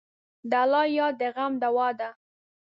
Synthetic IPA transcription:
d̪alɑjɑd̪əɣamd̪awɑd̪a

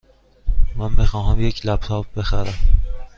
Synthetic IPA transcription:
mænbexɒːɦæmjecʰlæb̚t̪ʰɒːp̚be̞xæɾæm

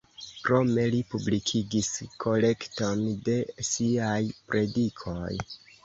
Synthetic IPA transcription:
kɾo̞me̞lipublikʰiɡiskʰo̞le̞kto̞nde̞siajpɾʔe̞dikʰo̞j

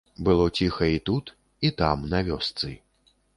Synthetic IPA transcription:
bɨlˠɔt͡sʲixɐit̪ut̪ | it̪amnɐvʲɔst̪sɨ

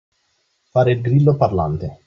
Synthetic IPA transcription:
faːɾelɡɾilːoparlant̪e

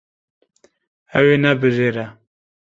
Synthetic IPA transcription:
ɛweːnɛbɨʒeːɾɛ

